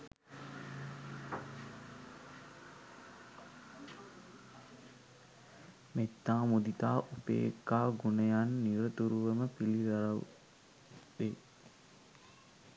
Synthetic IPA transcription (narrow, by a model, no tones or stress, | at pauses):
met̪ːaːmud̪it̪aːʔupḛːkːaːɡunəjanːiɾət̪uɾuʋəməpiliɾaɾaw̰ | de